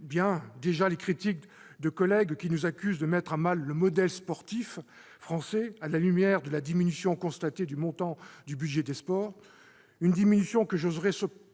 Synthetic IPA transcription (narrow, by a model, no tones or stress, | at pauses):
bjɛ̃d̪eʒalekχit̪ik̚ | d̪əkɔlɛɡkʲinuzakʲyzd̪əmɛt̪χɛ̃malːəmɔd̪ɛlspɔʁt̪if | fχɑ̃sɛalalymjɛʁd̪əlad̪iminysjɔ̃kɔ̃st̪at̪ed̪ymɔ̃t̪ɑ̃d̪ybyd̪ʒɛd̪espɔːʁ | ynd̪iminysjɔ̃kəʒozʁɛsə